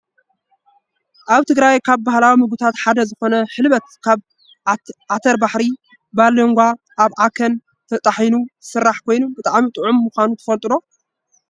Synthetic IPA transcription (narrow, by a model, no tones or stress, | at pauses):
ʔaβt̪ʰɨɡɾajkʰaβbahlawimɨɡut̪ʰat̪ħad̪ɐzɨxo̞nɐħɨlβɐt̪̚kʰaβ | ʕat̪ʰɐɾbaħɾi | balɐŋɡʷa | ʔaβʔakʰɐn | t̪ʰɐt̪ʼaħjnuɨsɨrːaħkʰo̞jnubɨt̪ʼaʕmit̪ʼɨʕumːuxʷanut̪ʰɐ̥fɐlt̪ʼɨlo̞